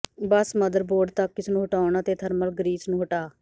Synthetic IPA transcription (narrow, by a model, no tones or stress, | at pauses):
bəsməd̪əɾboːɖt̪əkːɪsnũːɦʊʈaːʊɳ̃aːt̪eːt̪ʰəɾməlɡəɾiːsnũːɦʊʈaː